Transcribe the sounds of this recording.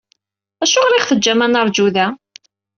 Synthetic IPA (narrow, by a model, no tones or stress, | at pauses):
æʃʊʁɾɪχθəd͡ʒːæmænəɾˤd͡ʒuðæ